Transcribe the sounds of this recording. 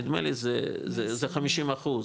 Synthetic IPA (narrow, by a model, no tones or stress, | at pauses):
id̪mḛlizezezeχamiʃimaχuz